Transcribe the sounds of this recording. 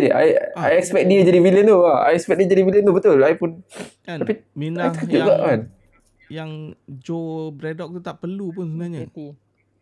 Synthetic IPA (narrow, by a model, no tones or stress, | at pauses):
diʔa̰jajɛkspɛk̚diəd͡ʒaɾiviliənt̪uaa̰jɛkspɛk̚diəd͡ʒaɾiviliənt̪ubət̪ʊlajpʊn | t̪apiaj̪ukəd͡ʒuʔɡaʔkan | jaŋd͡ʒobɾɛdɔk̚t̪ut̪aʔpərlupʊnsunaɲa